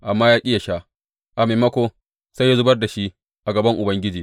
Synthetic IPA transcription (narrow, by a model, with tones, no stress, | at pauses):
ʔa˨mːaː˦jaː˦ʔʲkʲʼɪ˦ja˨ʃaː˦ | ʔa˨meː˨mɐ˦kʷo˦ | sa˦ja˦zʊ˦bɐ˦rda˨ʃi˦ | ʔa˨ɡɐ˨bɐ˦ŋʔʊ˨bɐ˦ŋɡʲɪ˦d͡ʒiː˨